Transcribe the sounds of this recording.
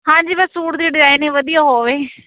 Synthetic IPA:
ɦãːd͡ʒiːbəsːuːʈd̪iːɖɪzaːɪnẽːʋəd̪ijaːɦoːʋeː

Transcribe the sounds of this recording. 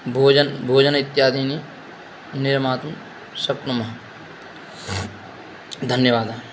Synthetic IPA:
bʱoːd͡ʒənbʱoːd͡ʒənɪt̪ːjaːd̪iːni | nɪɾmaːt̪m | sɐpnɐmɐɦ | d̪ʱɐnjəʋaːd̪aː

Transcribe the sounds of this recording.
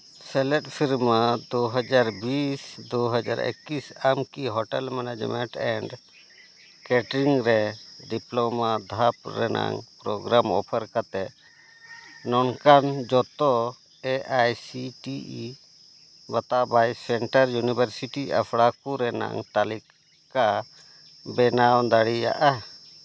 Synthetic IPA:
sɛlɛʈpʰiɾmad̪ɔɦəd͡ʒaɾbisd̪uɦad͡ʒa̰ɾḛkːisamkiɦɔʈɛlmɛnad͡ʒmɛ̰ɳʈɛɳɖ | kɛʈɾiŋɾɛɖiplɔmad̪ʱap̚ɾɛ̰na̰ŋpɾɔɡɾamɔ̰pʰəɾkat̪ɛ | nɔnkand͡ʒɔt̪ɔ | ɛʔajsiʈii | bat̪abajsɛɳʈəɾjunibʱəɾsiʈia̰pʰɽakuɾɛna̰ŋt̪alik | ka | bɛnawd̪aɽija̰ʔa

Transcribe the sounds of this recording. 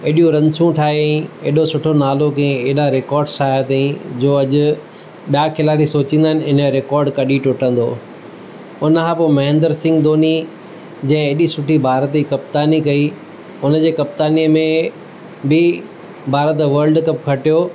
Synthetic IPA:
eːɗijũɾɐ̃nsũʈʰaːɦeɛ̃ḛːɗosʊʈʰonaːlokɛ̃ẽeːɗaɾekɔːɾɖsaːjat̪ĩd͡ʑoːɐʄʊ̆ | ɓijakʰɪlaːlisoːt͡ɕĩːnd̪aːɪnɪɪnəɾekɔːɾɖkɐɗiʈʊʈə̃n̆d̪oː | ʊnəkʰãːpoːmɐɦɪ̃nd̪əɾsɪ̃ŋɡd̪oːni | d͡ʑɐ̃ɦɪ̃eːɗisʊʈʰibʱaːɾət̪ikɐp̚t̪aːnikɐi | ʊnə̆d͡ʑeːkɐp̚t̪aːniəmẽ | bɪ | bʱaːɾət̪̬ʋəɾlɖkɐp̚kʰɐʈijoː

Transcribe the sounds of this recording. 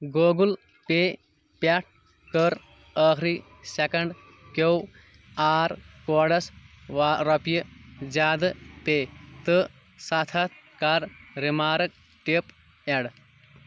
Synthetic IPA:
ɡoːɡul | peː | paʈ̚ | kəɾ | əːkʰɾi | sekɐɳɖ | kow | aːɾkoːɽɐsʋɾɐpijɐd͡ʒaːd̪ɐpeːt̪ɨ | sɐt̪ʰɐt̪ | kaɾɾimaːɾɐk̚ | ʈep | eɽ

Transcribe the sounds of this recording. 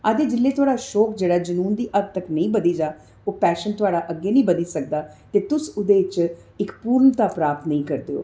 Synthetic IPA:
əd̪eːd͡ʒɪlːeːt̪ʊaːɽaːʃɔːkd͡ʒeːɽaːd͡ʒənuːnd̪iːʔəɡ̪̚t̪əknəĩːbəd̪iːd͡ʒaː | oːpɛːʃənt̪ʊaːɽaːʔəɡːeːnəĩːbəd̪iːsək̚d̪aːt̪eːt̪ʊsʊd̪eːt͡ʃ | ɪkpuːɾɳət̪aːpɾaːp̚t̪nəĩːkəɾd̪ḛːo̰ː

